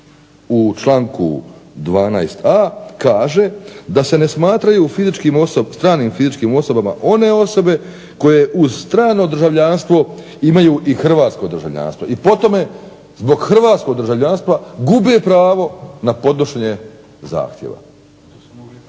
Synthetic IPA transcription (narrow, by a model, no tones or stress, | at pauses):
ut͡ʃlˠaːŋkṵd̪ʋaːnajst̪ʰakaːʒe̞d̪ase̞ne̞smaːt̪ɾajufizit͡ʃkiːmosost̪ɾaːniːmfizit͡ʃkiːmo̞so̞bama̰ʔo̞ne̞o̞so̞be̞ | ko̞je̞ʔuzst̪ɾaːno̞d̪r̩ʒaʋʎaːnst̪ʋo̞ | imajuʔixr̩ʋaːt̪sko̞d̪ɾʒa̰ʋʎa̰ːnst̪ʋoipo̞t̪o̞me | zbo̞ɡxr̩ʋaːt̪sko̞ɡ̚d̪ɾʒaʋʎaːnst̪ʋaɡube̞pɾaːʋo̞napo̞d̪noʃeɲe | za̰ːxt̪jḛʋa̰